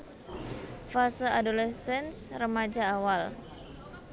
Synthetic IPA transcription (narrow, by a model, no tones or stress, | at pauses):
fasəadolɛsɛnsrəmad͡ʒaːwal